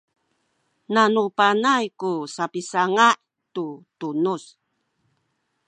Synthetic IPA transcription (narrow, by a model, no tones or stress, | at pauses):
nanupanajkusapisaŋaʔ | tutunus